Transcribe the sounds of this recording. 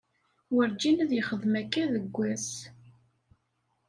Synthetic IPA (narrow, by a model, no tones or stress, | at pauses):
wəɾd͡ʒinæðjəχəðˤmækːæðəɡʷːæs